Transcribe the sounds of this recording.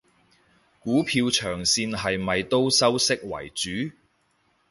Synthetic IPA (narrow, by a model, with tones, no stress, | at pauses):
kuː˨˥pʰiː˧wt͡ʃʰœː˨˩ŋsiː˧nɦɐ˨jmɐ˨jt̪o˥wsɐ˥wsɪ˥k̚wɐ̰˨˩jt͡syː˨˥